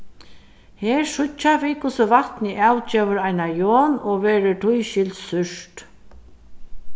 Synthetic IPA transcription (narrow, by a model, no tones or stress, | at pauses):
hɛːɹʂʊt͡ʃːaviːkʰʊsʊvaht̪nɪʔawt͡ʃeːʋʏɾajnajoːnɔʋɛːɾɪʈʰʊjɕɪlsʏʂt̪